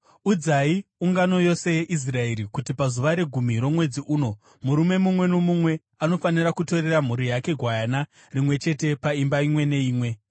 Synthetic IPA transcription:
ud͡zaiuŋɡano̞jo̞se̞jeʔis̬rae̞ɾikutipazuʋaɾe̞ɡʱumiɾo̞mwe̞d͡ziʔuːno̞ | muɾume̞mumwe̞nomumwe̞ | ano̞faniɾakuto̞ɾe̞ram̤uɾijake̞ɡʱwajana | rimwe̞t͡ʃe̞te̞paimbaimwe̞ne̞iːmwe̞

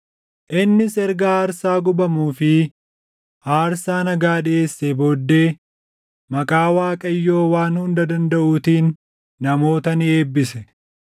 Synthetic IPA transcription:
ʔɪnːɪsɛɾɡɐaːɾsaːɡʊbɐmuːfɪ | haːɾsaːnɐɡaːᶑɪʔe̞ːsːebo̞ːd̪ːe̞ː | mɐkʼaːwaːkʼɐjːo̞ːwaːnhʊnd̪ɐd̪ɐnd̪ɐʔuːt̪iːnː | ɐmo̞ːt̪ɐnɪe̞ːbːɪsɛ

